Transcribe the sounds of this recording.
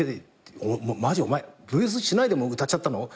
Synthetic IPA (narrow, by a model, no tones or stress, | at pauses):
e | ommad͡ʑio̞maebɯs̬ɨɕinaid̪e̞moɯt̪at͡ɕːat̪ːano